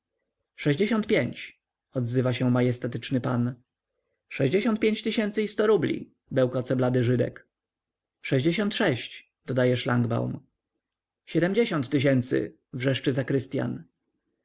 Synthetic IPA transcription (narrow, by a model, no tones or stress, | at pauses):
ʂɛʑd͡ʑeɕɔnt̪pʲjeɲt͡ɕ | ɔd̪zɘvaɕɛmajɛst̪ɛt̪ɘt͡ʂnɘpan | ʂɛʑd͡ʑeɕɔnt̪̚pʲeɲt͡ɕt̪ɘɕɛnt̪sɘist̪ɔɾublʲḭ | bɛwkɔt̪sɛblad̪ɘʐɘd̪ɛ̰k | ʂɛʑd͡ʑeɕɔnt̪ʂɛɕt͡ɕ | d̪̥ɔd̪ajɛʂlaŋɡba̰wm | ɕɛd̪ɛmʲd͡ʑeɕɔnt̪tːɘɕ̬ɛnt̪sɘ̰ | vʐɛʂt͡ʂɘzakɾɘst̪ja̰n